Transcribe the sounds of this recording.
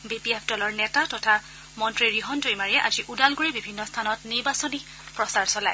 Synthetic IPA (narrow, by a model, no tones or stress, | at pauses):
bipiepʰdɔlɔɹnɛtatɔtʰa | mɔntɹiɹiɦɔntojmaɹiɛʔaziʔudalɡoɹibibʱinːɔstʰanɔtniɹbasɔni | pɹɔsaɹsɔlaj